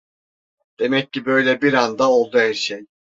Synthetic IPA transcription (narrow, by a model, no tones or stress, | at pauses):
d̪̥e̞mɛcːibø̞jlʲɛbiɾand̪ao̞lˠd̪uæɾʃej